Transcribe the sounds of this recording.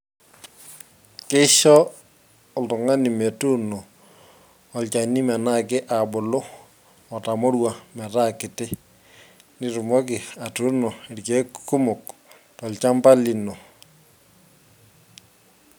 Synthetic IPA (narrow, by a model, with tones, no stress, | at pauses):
kɪ˦ʃɔː˦˨ | ltʊ˨ŋa˦ni˨me˨tu˦nɔ˨ | lt͡ʃa˨ni˦mɛ˨na˦˨kɪ˦ʔa˨bʊ˨lʊ˦ | ɔ˨ta˨mɔ˦ɾwa˨mɛ˨ta˦kɪ˨tɪ˦ | nɪ˨ɾʊ˨mɔ˦k̬ɪ˨a˨tu˦nɔ˨i˨ɾke˦ku˦mʊ˨k | tɔ˨lt͡ʃa˦mba˦li˨nɔ˨